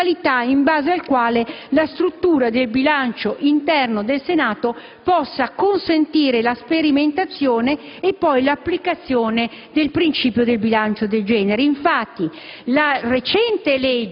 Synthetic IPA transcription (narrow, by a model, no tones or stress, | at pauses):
alit̪aiɱbaːzealkwaːlelast̪ɾut̪ːuːɾad̪elbilant͡ʃoʔint̪ɛrnod̪elsenaːt̪o | pɔsːakonsent̪iːɾelaspeɾiment̪at̪sːjoːneː | pːɔjlapːlikat̪sːjoːne | d̪elpɾint͡ʃiːpjod̪elbilant͡ʃod̪eld͡ʒɛːneɾeiɱfat̪ːi | laret͡ʃɛnt̪elɛd͡ʒ